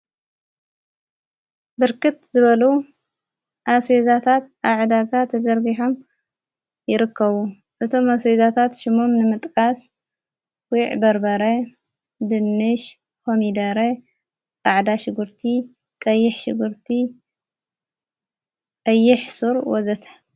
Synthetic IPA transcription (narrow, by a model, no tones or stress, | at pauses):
bɨɾkɨt̪zɨβɐlu | ʔaswezat̪ʰat̪̚ʔaʕd̪aɡat̪ʰɐzɐɾɡiħom | jɪɾɨkːɐβu | ʔɨt̪ʰo̞maswezat̪ʰat̪ʃɪmomnɨmɨt̪ʼkʼas | wiʕbɐɾbɐɾɐ | d̪ɨnːɨʃ | homid̪ɐɾe | t͡sʼaʕd̪aʃɪɡɨɾt̪ʰi | kʼɐjːɪħʃɪɡɨɾt̪ʰi | kʼɐjːɪħsuɾwɔzɐt̪ʰɐ̥